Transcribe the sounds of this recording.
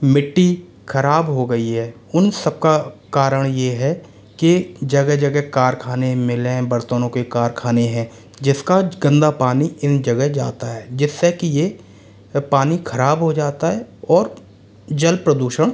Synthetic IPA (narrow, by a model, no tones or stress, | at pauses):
mɪʈːi | kʰɐɾaːbɦoɡɐiɦɛː | ʊnsəb̚kakaːɾəɽ̃jeɦɛ | ked͡ʒɐɡɛɦd͡ʒɐɡɛɦkaːɾkʰaːnemɪlẽbəɾt̪onõkekaːɾkʰaːneɦɛ̃ | d͡ʒɪskaɡə̃nd̪apaːniɪnd͡ʒɐɡɛɦd͡ʒa̰ːt̪aɦɛːd͡ʒɪsːekije | paːnikʰəɾaːbɦod͡ʒaːt̪aɦɛɔːɾ | d͡ʒɐlpɾəd̪uːʃəɽ̃